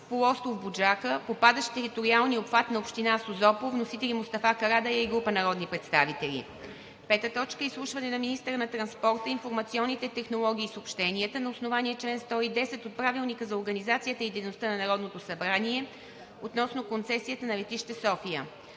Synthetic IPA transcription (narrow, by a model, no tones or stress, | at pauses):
polˠɔst̪ˠovbud͡ʒakəpopad̪əʃt̪t̪ɛɾit̪oɾialˠniopfat̪nɐopʃt̪inasozɔpovnosit̪ɛlʲimʊst̪ɐfakɐɾad̪ɐjaiɡɾupənɐɾɔd̪nipɾɛt̪st̪avit̪ɛlʲḭ | pɛt̪ət̪ɔt͡ʃkəislˠuʃvɐnɛnɐminist̪əɾənɐt̪ɾɐnspɔɾt̪əinfoɾmɐt̪siɔnːit̪ɛt̪ɛxnolˠɔɡ̟ʲiːsopʃt̪ɛniət̪ənɐosnovaniɛt͡ʃlɛnst̪ɔid̪ɛsɛt̪ot̪̚pɾavilˠnikəzɐoɾɡənizat̪sijət̪əid̪ɛjnost̪ənɐnɐɾɔd̪not̪osɐbɾaniɛ | ot̪nɔsnokont̪sɛsijət̪ənɐvɛt̪iʃt̪ɛsɔfijə